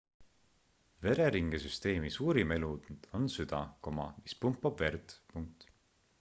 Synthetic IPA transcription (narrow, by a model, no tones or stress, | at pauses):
ve̞ɾe̞ɾiŋɡ̥esyst̪e̞ːmisuːɾime̞lud̪̥nd̪̥o̞nsyd̪̥ɑkomɑ̰mispumpːˑɑb̥ve̞rd̪̥puŋk̚t̪